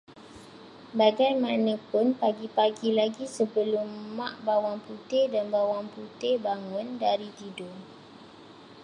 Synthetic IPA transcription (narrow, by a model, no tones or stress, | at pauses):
baɡajmãnə̃pʊnpaɡipaɡilaɡisəbəlʊmːãʔbawaŋput̪ɪdanbawaŋput̪ɪbaŋʊ̃ndaɾit̪ido